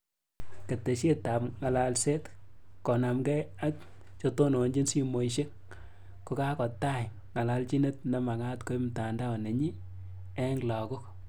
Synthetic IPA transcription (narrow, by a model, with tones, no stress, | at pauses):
ke˨te˨ʃe˦ta˨pŋa˨la˨lse˦tkɔ˨na˨mkɛ˦a˦k | t͡ʃo˦to˦no˨nd͡ʒi˦nsi˦mo˨i˨ʃe˦k̚ | ko˨˦ka˦kɔ˨ta˦˨j | ŋa˨la˨lt͡ʃi˦ne˦t̚na˨˦ma˨ŋa˦tko˦jmta˨nda˦˨ne˨ɲi˦ | ɛ˦ŋ˨la˨ko˦k